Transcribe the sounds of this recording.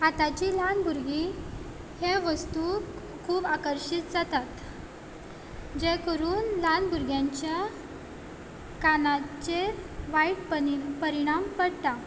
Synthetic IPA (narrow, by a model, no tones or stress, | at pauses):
at̪at͡ɕilanbʱuɾɡi | heʋəst̪u | kʰuːbakəɾɕit̪d͡zat̪at̪ | d͡ʑekəɾuːnlanbʱuɾɡjaɲt͡ɕja | kanat͡ɕeʋajiʈpəpəɾiɽ̃ampəɽt̪a